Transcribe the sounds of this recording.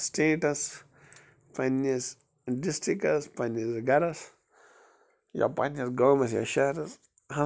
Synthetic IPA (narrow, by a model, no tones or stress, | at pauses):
sʈeːʈɐs | pɐnːɐs | ɖisʈɾikɐspɐnɐsɡɐɾɐs | ja̰pɐnɐsɡoːmɐsja̰ʃɐɾɐs | hɐ̃